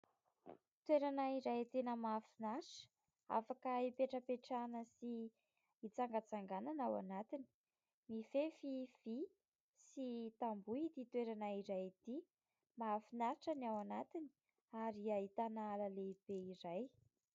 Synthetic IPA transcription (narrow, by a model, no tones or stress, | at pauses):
t̪weɾanaiɾajt̪enəmafinaʈ͡ʂə̥ | a̰fakəipeʈ͡ʂəpeʈ͡ʂanəsiː | t͡saŋɡət͡saŋɡananawa̰nat̪ini̥ | mifefivi | sit̪ambuit̪it̪weɾanaiɾajt̪i | mafinaɾʈ͡ʂanawanat̪ini̥ | aɾiaɦit̪anaalaleb̥eiɾaj